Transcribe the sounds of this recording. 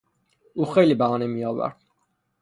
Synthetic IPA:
uχɛlibaɔnɛmiawa̰ɾt̪

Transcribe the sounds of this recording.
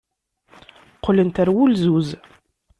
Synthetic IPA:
qʰːələnt̪æɾwulzuz

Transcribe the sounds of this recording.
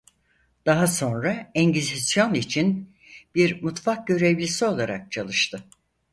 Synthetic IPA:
d̪̥aɦaso̞nɾaɛɲɟizisjo̞nit͡ʃʰin | b̥iɾmut̪fak̚ɟøɾe̞vlʲisio̞lˠaɾa̰k̚t͡ʃʰalˠɯʃt̪ʰɯ

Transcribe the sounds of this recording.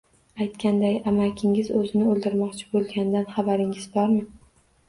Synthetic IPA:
ajt̪kʲand̪ajamakʲʰɪŋɪzɵzɪnɪɵlˠd̪ɪɾmɒqt͡ʃʰɪ̥bolˠɡʲand̪anχabaɾɪŋɪz̥bɒɾmɪ

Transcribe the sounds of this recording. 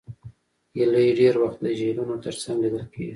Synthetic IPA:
jeləjɖeɾwaxt̪̚d̪əʒeɾunot̪əɾsaŋɡlid̪əlkeɡi

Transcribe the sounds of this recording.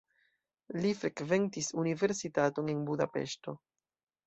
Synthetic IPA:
lifɾe̞kve̞ntisunive̞ɾsitato̞ne̞nbudape̞̰ʃto̞

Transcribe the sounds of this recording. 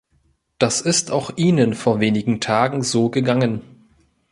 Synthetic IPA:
d̥asɪstaʊxʔiːnənfoːɐveːnɪɡŋ̩tʰaːɡŋ̩zoːɡəɡaŋən

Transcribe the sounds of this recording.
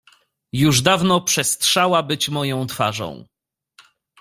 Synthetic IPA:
juʐd̪avnɔpʂɛstʂawabɘt͡ɕmɔjɔ̃w̃t̪fa̰ʐɔ̰̃w̃

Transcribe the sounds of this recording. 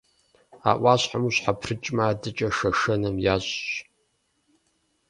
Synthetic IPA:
a̰ːʔʷɑːɕħamuɕħapʰrɨt͡ʃʼmaːdɨt͡ʃʼɐʂɐʂɐnɐmjaːɕʼɕ

